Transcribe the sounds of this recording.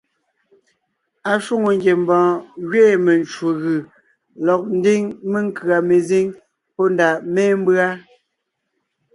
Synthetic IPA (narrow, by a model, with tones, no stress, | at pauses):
a˨ʃu˦ŋo˨ŋɡje˨m̩˦bɔ̃ː˨ɣɥeː˦˨me˨nt͡ʃwo˨ɣɯ˨ | lɔ˨k̚n̩˦di˦ŋme˦ŋ˦kɰa˨me˨zi˦ŋ | pɔ˦n˨da˨mɛ˦m̩˦bɰa˦